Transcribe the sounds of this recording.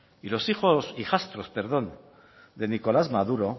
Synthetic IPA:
ilo̞sixo̞sixast̪ɾo̞spe̞ɾð̞o̞n | d̪e̞niko̞lazmaðuɾo̞

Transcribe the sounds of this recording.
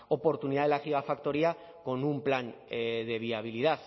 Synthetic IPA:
o̞po̞ɾt̪uniðaðelaxiɣafakt̪o̞ɾia | ko̞numplaneðe̞β̞iaβ̞iliðaθ

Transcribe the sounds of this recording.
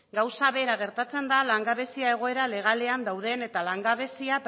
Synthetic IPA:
ɡawsaβe̞ɾaɣ̞e̞ɾt̪at͡se̞nd̪alaŋɡaβe̞siae̞ɣ̞o̞e̞ɾale̞ɣ̞ale̞and̪awð̞e̞ne̞t̪alaŋɡaβ̞e̞siap

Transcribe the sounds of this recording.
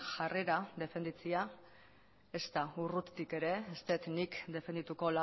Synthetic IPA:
ʝare̞ɾaðe̞fe̞nd̪it͡sia | e̞st̪aurut̪t̪ike̞ɾe̞est̪e̞t̪nikd̪e̞fend̪it̪uko̞la

